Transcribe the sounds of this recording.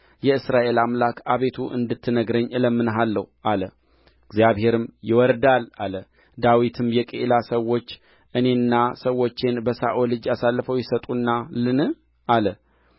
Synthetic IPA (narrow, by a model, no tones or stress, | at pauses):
jɛɨsɾaʔe̞lamlakʰaβe̞t̪ʰuʔɨ̰nd̪ɨt̪ʰːɨnəɡɾəɲːɨləmːɨnɦalːəhʔalə | ɨɡzjaβhe̞ɾɨmjɪwɔɾd̪alalə | d̪awit̪ʰɨmjɛkʼḛlasəwo̞t͡ʃː | ʔɨne̞nːasəwːo̞t͡ʃːenbəsa̰ʔolɨd͡ʒasalːɨfəwjɛsət̪ʼunːalɨnɨ | ʔalə